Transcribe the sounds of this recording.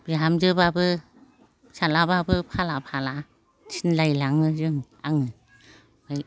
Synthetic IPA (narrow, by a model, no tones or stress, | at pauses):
bjaamzɯbabɯ | salababɯpʰalapʰala | inlajlaŋɯzɯŋ | aŋɯ | baj